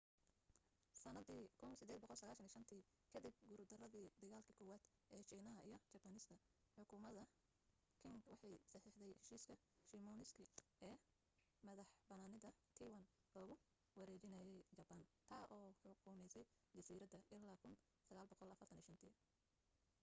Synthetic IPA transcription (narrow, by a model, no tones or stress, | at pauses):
sɐnɐd̪iːkʰʊnsɪd̪ɛːd̪̚bɔqɔlsɐɣaːlʃɐniːʃɐnt̪ʰiː | kʰɐd̪ɪb̚ɡʊɾd̪ɐrɐðiːd̪ɐɣaːlkʰɐkʰɔːwaːd̪ʔɛːt͡ʃiːnɐɦɐʔijɞt͡ʃɐbɐnɪst̪ʰɐ | ħʊkʰʊmɐðɐ | kʰɪŋɡwɑħɑjsɑħiːħd̪ɛjhɛʃiːskʰɐ | ʃimɔːnɪskʰɐɛː | mɐðɐħbɐnaːnɪðɐt̪ʰiwɐnɔːɣʊ | wɐɾɛːt͡ʃɪnɐjɛjt͡ʃɐbɐnt̪ʰaːʔɔːħʊkʰʊmɛjsɛj | d͡ʒɐsiːɾɐd̪ɐʔɪlːaːkʰʊn | sɐɣaːlbɔqɔlɐfɐrt̪ʰɐniːʃɐnt̪ʰḭː